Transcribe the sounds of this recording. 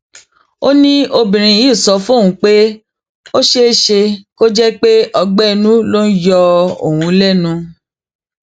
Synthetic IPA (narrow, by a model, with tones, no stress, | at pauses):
o˦nĩ˦o˧bĩ˨ɾ̃ĩ˧ji˦˨sɔ˧˦fũ˦õ˦˨ũ˨˧˦k͡pe˦ | o˦ʃe˦ʃe˧ko˦d͡ʒɛ˦k͡pe˦ʔɔ˧ɡ͡bɛ˦˨nũ˦lo˦n̩˦jɔ˧o̰˨wũ˧˦lɛ˦˨nũ˧